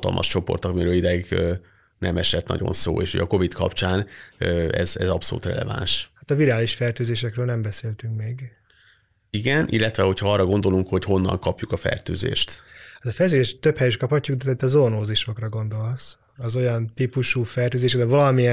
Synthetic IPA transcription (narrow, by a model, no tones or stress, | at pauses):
t̪ɒ̰lmʔɒ̰ʃt͡ʃo̞po̞̰rt̪ɒkmiɾøːlid̪ɛiɡø | nʔɛmɛʃɛt̪nɒ̰ɟo̞̰nso̰ːeːʃho̰ɟɒko̞vit̪kɒ̰pt͡ʃaːnøɛ̰zɛzɒpso̞lṵːt̪rɛ̰lɛ̰va̰nʃhat̪ɒviɾaːliʃfɛrt̪øːzeːʃɛkrøːlnɛmbɛseːlt̪yŋkmeːɡ | iɡɛnʔilːɛt̪ʋɛho̞cʰhɒɒrːɒɡo̞nd̪o̞luŋkho̞cho̞nːɒ̰ŋkɒpjukɒfɛ̰rt̪øːzḛːʃt̪ɛzɒfɛrt̪øːzeːʃt̪øphɛjyʃkɒphɒcːuɡd̪ɛt̪ɛit̪ːɒzonoːziʃo̞krɒɡo̞nd̪o̞ls | ɒzo̞jɒnt̪ipuʃuːfɛrt̪øːzeːʃd̪ɛvɒlɒmijɛ